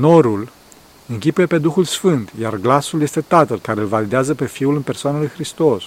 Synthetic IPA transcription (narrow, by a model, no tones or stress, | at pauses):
no̞ɾul | ɨŋkʲipuje̞pe̞d̪uxulsfɨnt̪jarɡlasuljest̪e̞t̪at̪əlkaɾe̞ɨlvalid̪eazəpe̞fiulɨnpe̞rsoanəlujxɾist̪o̞s